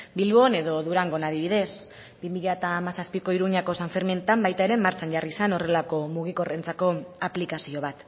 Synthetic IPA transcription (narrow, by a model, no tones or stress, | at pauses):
bilβo̞ne̞ðo̞ðuɾaŋɡo̞naðiβiðe̞s | b̥imiʎat̪aːmasaspiko̞iɾuɲako̞saɱfeɾment̪ambajt̪ae̞ɾe̞maɾt͡ʃanʝarisano̞re̞lako̞muɣiko̞re̞nt͡sako̞aplikasio̞β̞at̪